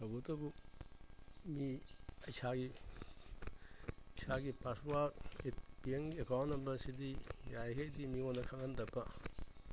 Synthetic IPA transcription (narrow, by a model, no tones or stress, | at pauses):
tabutɐbu | miɐjsaɡi | isaɡipaswaɾet̚pieŋɡiekawnːɐmbɐsidijajɦejdimionːɐkʰaŋandɐpɐ